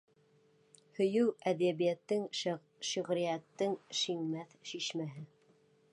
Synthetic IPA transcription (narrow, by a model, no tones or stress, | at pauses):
hɵ̆jɘwæðæβijæt̪ːɘŋ | ʃŏʁɾijæt̪ːɘŋʃiŋmæθʃiʃmæɦɘ